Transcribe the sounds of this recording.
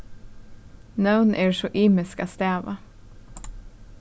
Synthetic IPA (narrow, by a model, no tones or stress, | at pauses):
naʊnʔeːɹʃɔːʔiːmɪskɑːst̪eːʋɑ̰